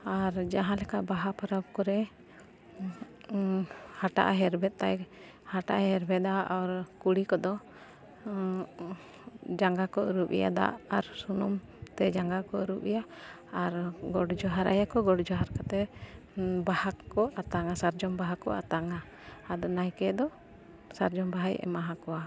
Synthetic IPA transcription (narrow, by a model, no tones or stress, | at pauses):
aɾd͡ʒaɦãlɛkaʔbaɦapaɾab̚kɔɾɛ | haʈa̰ʔaɦɛɾbɛt̪̚t̪aj | haʈaʔɦɛɾbɛd̪aʔɔɾkuɽikɔd̪ɔ | d͡ʒaŋɡakɔʔəɾupḭja̰d̪a̰ʔaɾsunum | t̪ɛd͡ʒaŋɡakɔuɾupḭja | aɾɡɔɖd͡ʒɔɦaɾʔa̰jakɔɡɔɽd͡ʒɔɦaɾkat̪ɛ | bahakɔʔat̪aŋasaɾd͡ʒɔmbaɦakɔ̰a̰t̪aŋaː | d̪ɔnajkɛd̪ɔ | saɾd͡ʒɔmbaɦajɛ̰maɦakɔwa